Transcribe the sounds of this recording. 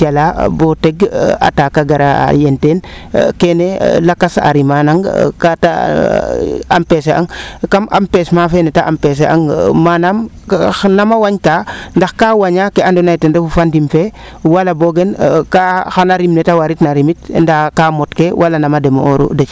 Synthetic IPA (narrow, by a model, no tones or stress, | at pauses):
alaboteɡa̰takaɡaɾa̰jentenkenelakasa̰ɾimanaŋkata̰ | a̰mpesea̰ŋkama̰mpesmafenɛtaʔampes̬eʔa̰ŋmanam | namawaɲtandaxkawaɲakeandonajtendefufandimfe | walaboɡenkaxanaɾimnetawaɾitnaɾimit̚ndakamotkewʔalanamademooɾṵdet͡ʃ